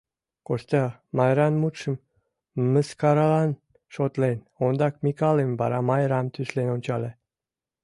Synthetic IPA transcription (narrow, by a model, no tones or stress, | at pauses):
kost̪ɑmɑjɾɑnmut̪ʃə̆m | mə̆skɑɾɑlɑn | ʃot̪len | ond̪ɑkmʲikɑlemʲbɑ̰ɾɑmɑjɾɑmt̪yslenonʲt͡ɕɑlʲe